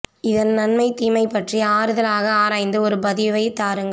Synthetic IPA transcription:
ɪðɐnnɐnmɐɪt̪ːiːmɐɪpːɐʈriɐaːɾɯðɐlaːɣɐaːɾaːɪnd̪ɯɔɾɯbɐðɪʋɐɪt̪ːaːɾɯŋɡɐ

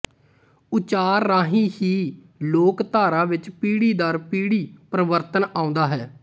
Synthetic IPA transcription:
ʊt͡ʃaːɾːaːɦĩːhiː | loːkt̪aːɾãːʋɪt͡ʃpiːɽiːd̪aːɾpiːɽiːpɾəʋəɾt̪ənaːʊ̃nd̪aːɦɛː

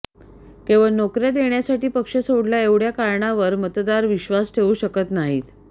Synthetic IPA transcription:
kẽʋənokɾjad̪eɳjasaʈiːpəkʂəsoɽljaeʋɽjakaɾɳaʋəɾmət̪d̪aɾʋiɕʋasʈʰeʋuːɕəkət̪naɦḭːt̪

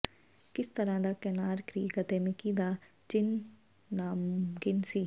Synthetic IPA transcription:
kɪst̪əɾãːd̪aːkɛːnaːɾkɾiːkət̪eːmɪ̃kiːd̪aː | t͡ʃɪnː | aːmɡɪnsiː

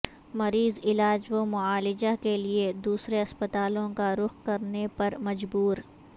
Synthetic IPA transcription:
mɐɾiːzɪlaːd͡ʒʋomʊaːlɪd͡ʒakelied̪uːsɾeɐspət̪aːlõkaɾʊxkɐɾnepɐɾmɐd͡ʒbuːɾ

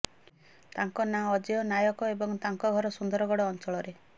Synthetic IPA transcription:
t̪aŋkɔnaɔd͡ʒeɔnajɔkɔebɔŋt̪aŋkɔɡʱɔɾɔsund̪ɔɾɔɡɔɽɔːnt͡ʃɔɭɔɾe

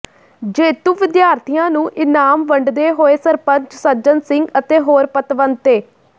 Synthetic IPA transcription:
d͡ʒeːt̪uːʋɪd̪jaːɾt̪ʰijãːnũːʔɪnaːmʋəɳɖd̪eːɦoːeːsəɾpəɲt͡ʃsəd͡ʒənsɪŋɡət̪eːɦoːɾpət̪ʋənt̪eː

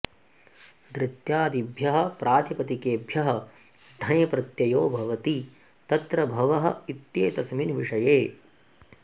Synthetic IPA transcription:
d̪ɾɪt̪jaːd̪ibʱjɐɦɐ̆pɾʔaːt̪ʰipɐt̪ikeːbʱjɐɦɐ̆ | d̪ʱɐjɐpɾɐt̪jɐjoːbʱɐʋɐt̪i | t̪ɐt̪ɾɐbʱɐʋɐɦɐ̰̆it̪jeːt̪ɐsminʋiʂɐjeː

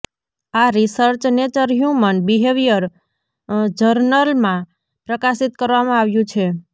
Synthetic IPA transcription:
aɾisəɾt͡ʃnet͡ʃəɾɦjũmənbiɦeʋijəɾ | d͡ʒəɾnəlmã | pɾəkasit̪kəɾʋamãaʋjũt͡ʃʰe

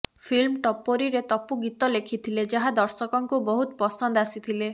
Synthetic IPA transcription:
pʰilmʈɔpoɾiɾet̪ɔpuɡit̪ɔlekʰit̪ʰiled͡ʒaɦad̪ɔɾsɔkɔŋkubɔɦut̪ɔpɔsɔnd̪asit̪ʰile

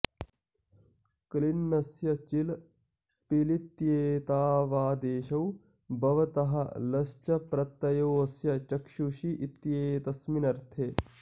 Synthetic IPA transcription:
klinːɐsjɐt͡ʃil | pilit̪jeːt̪aːʋaːd̪eːʃɐw | bɐʋɐt̪ɐɦɐlɐst͡ʃɐpɾɐt̪ːɐjoːsjɐt͡ʃɐkʃuʃiʔit̪jeːt̪ɐsminɐɾt̪ʰe

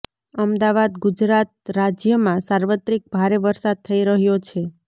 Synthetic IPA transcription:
əmd̪aʋad̪ɡud͡ʒɾat̪̚ɾad͡ʒjəmãsaɾʋət̪ɾik̚bʱaɾeʋəɾsad̪̚t̪ʰːəiɾəɦjot͡ʃʰe

